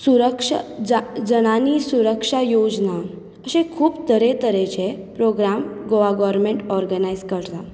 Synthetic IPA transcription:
suɾəkʂəd͡zəɽ̃aniːsuɾəkʂajod͡zna | əɕẽkʰuːpt̪əɾet̪əɾẽt͡ɕepɾoɡɾamɡoʋaɡɔʋəɾmẽɳʈɔɾɡənajzkəɾt̪a

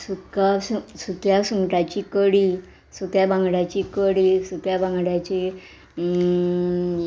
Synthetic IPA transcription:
sukasusukjasuŋɡʈat͡ɕikəɽiː | suk̪jabãŋɡɽjat͡ɕikəɽiːsuk̪jabãŋɡɽjat͡ɕi

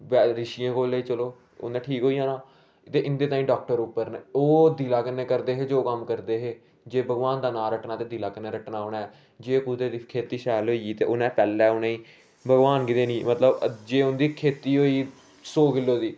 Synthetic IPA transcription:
ʋɛɾɪʃijãːkoːleːiːt͡ʃəloː | ʊ̰nẽːʈʰiːkɦoːiːãːnãː | t̪eːʔɪnd̪eːt̪ãːĩːɖaːk̚ʈəɾupːəɾnoːd̪iːlaːkənːẽːkəɾd̪eːɦeːd͡ʒoːkəmkəɾd̪eːɦeː | d͡ʒeːbʱəɡʋaːnd̪aːnaːɾəʈnaːt̪eːd̪iːlaːkəneːɾəʈnaːɦoːnaːɛː | d͡ʒeːkud̪eːd̪ikʰeːt̪iːʃaːlɦoːit̪eːʔʊnɛ̃ːpɛːlːɛːʊnẽːĩː | bʱəɡʋaːnkɪd̪eːnĩːmət̪ləbd͡ʒeːʊnd̪iːkʰeːt̪iːɦoːiː | soːkɪlːoːd̪iː

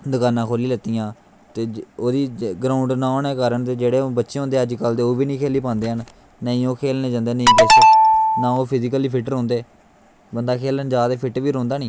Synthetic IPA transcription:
d̪əkaːnãːkʰoːliːlət̪ːijãː | t̪eːoːd̪iːɡɾãːʊɳɖnãːoːnɛːkaːɾəɳt̪eːd͡ʒeːɽeːobətːʃẽːɦõːnd̪eːəd͡ʒkəld̪eːoːʋiːnĩːkʰeːliːpãːnd̪eːɦənː | əĩːoːkʰeːlnẽːd͡ʒãːnd̪eːnəĩːpesnãːoːpʰɪzɪk̬əliːpʰɪʈɾõːnd̪eː | bənd̪aːkʰeːlənd͡ʒaːd̪eːpʰɪʈʋiːɾõːnd̪aːnĩː

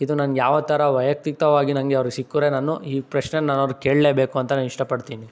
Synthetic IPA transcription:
id̪unaːnjaːʋɐt̪ɐɾɐʋɐjɐk̚t̪it̪ɐʋaːɡinɐŋɡeɐʋɐɾuɡsikːuɾe̞naːnuiːpɾɐt͡ʃnenaːnɐʋɾuke̞ːɭle̞ːbe̞ːkuɐnt̪ɐnaːniʂʈɐpɐɽt̪iːni

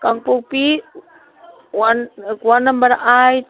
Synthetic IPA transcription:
kaŋpupi | ankwanambaɾaʔaj

